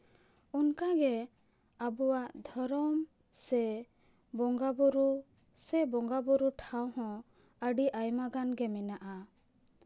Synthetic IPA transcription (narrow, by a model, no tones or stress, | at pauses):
unkaɡɛ | abuwaʔd̪ʱɔɾɔm | sɛ | bɔŋɡabuɾu | sɛbɔŋɡabɔɾuʈʰawɦɔ̃ | əɖiʔajmaɡanɡɛmɛnaʔa